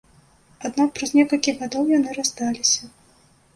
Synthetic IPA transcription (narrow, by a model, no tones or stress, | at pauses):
ad̪nak̚pɾɐzʲnʲɛkɐlʲkʲiɣad̪ɔwjanɨɾazd̪alʲisʲɐ